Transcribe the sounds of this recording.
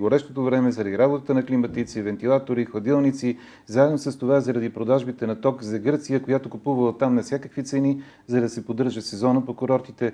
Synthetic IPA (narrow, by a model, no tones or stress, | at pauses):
ɡoɾɛʃt̪ot̪ovɾɛmɛzɐɾɐd̪iɾabot̪ət̪ənɐklimət̪it̪sivɛnt̪ilˠat̪oɾixlˠɐd̪ilˠnit̪si | zaɛd̪nosəst̪ovazɐɾɐd̪ipɾod̪aʒbit̪ɛnɐt̪ɔkzɐɡɤɾt̪sijəkojat̪okupuvəlˠət̪amnɐfsʲakəkvit̪sɛni | zɐd̪ɐsɛpod̪ɤɾʒəsɛzɔnəpokʊɾɔɾt̪it̪ɛ